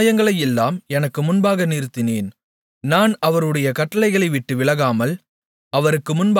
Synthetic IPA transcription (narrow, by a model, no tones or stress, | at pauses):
jɐŋɡɐɭɐjɛlːaːmɛnɐkːɯmʊnbaːɣɐniːɾt̪ːɪneːn | naːnɐʋɐɾɯɽɐjɐkɐʈːɐlɐɪɣɐɭɐɪʋɪʈːɯʋɪɭɐɣaːmɐl | ɐʋɐɾɯkːɯmʊnb